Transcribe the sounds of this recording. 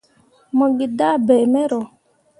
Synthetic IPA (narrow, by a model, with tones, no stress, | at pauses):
mə˨ɡi˨da˦˨bɛ˨mɛ˦ɾo˨